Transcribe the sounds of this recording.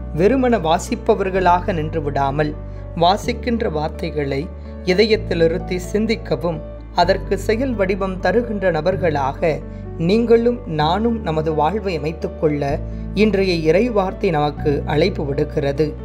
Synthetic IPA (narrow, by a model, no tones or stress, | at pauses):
ʋɛɾɯmɐnɐʋaːsɪpːɐʋɐɾɣɐɭaːɣɐnɪndrɯʋɪɽaːmɐl | ʋaːsɪkːɪndrɐʋaːɾt̪ɐɪɣɐɭɐɪ | ɪðɐjɐt̪ːɪlɪɾɯt̪ːisɪnd̪ɪkːɐʋɯm | ɐðɐrkɯsɛjɐlʋɐɽɪbɐmt̪ɐɾɯɣɪndrɐnɐbɐɾɣɐɭaːɣɐ | niːŋɡɐɭɯmnaːnɯmnɐmɐðɯʋaːɻʋɐɪɐmɐɪt̪ːɯkːɔɭːɐ | ɪndrɐjɐɪɾɐɪʋaːɾt̪ɐɪnɐmɐkːɯʔɐɭɐɪpːɯʋɪɽɯkːɪrɐðɯ